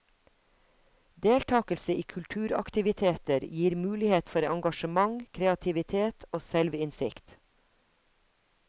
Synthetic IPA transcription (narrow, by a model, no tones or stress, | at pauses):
d̪eːlt̪ʰɑːkəlsəiːkʰʉlʈ̪ʰʉːɾɑ̰kt̪ɪʋɪt̪ʰeːt̪əɾjiːɾmʉːlɪheːt̪fɔɾɑŋɡɑʃəmɑŋkʰɾeɑt̪ʰɪʋɪt̪ʰeːt̪ʰoːsɛlʋɪnsɪkt̪